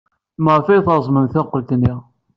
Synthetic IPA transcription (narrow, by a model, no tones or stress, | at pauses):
məʁˤfæjθəɾˤzˤmənθæqːlt̪nːiʁ